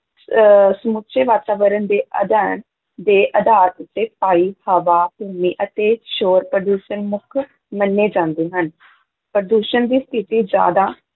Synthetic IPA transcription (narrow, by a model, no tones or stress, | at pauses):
səmutːʃʰeːʋaːt̪aːʋəɾənd̪eːʔə̰d̪ɛːɾən | d̪eːʔəd̪aːɾʊt̪ːeːpaːiːhəʋaːbuːmiːʔət̪eːʃoːɾpɾəɖuːʃənmʊkʰ | mənːeːd͡ʒãːnd̪eːɦən | pɾəɖ̪uːʃənd̪iːst̪ʰɪt̪iːd͡ʒja̰ːd̪aː